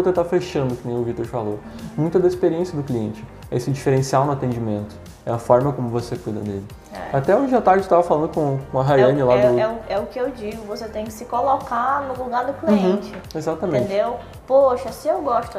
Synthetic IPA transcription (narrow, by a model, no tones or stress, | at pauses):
ot̪ẽt̪afeʃɐ̃nd̪ʊkɪnẽj̃ʊvit̪oɾfalomũj̃t̪ʊd̪ɐispeɾiẽsijɐd̪ʊkliẽnt͡ʃɪ | ɛ̰sɪd͡ʒifeɾẽsianʊat̪ẽd͡ʒimẽnt̪ʊ̥ | ɛɐfɔɾmɐkõmʊvosekujd̪ɐ̰nḛlɪ | ɛ̰at̪ɛõd͡ʒɪʒat̪aɾd͡ʒɪt̪avɐfalɐ̃nd̪ʊkõkõɐɦajɐ̃nɪlad̪ʊɛʊɛʊkɪewd͡ʒiɡʊvoset̪ẽj̃kɪ̥sɪkolokanʊluɡaɾd̪ʊkliẽt͡ʃɪezat̪ɐmẽt͡ʃd̪ew | poʃɐsɪewɡɔst̪ʊ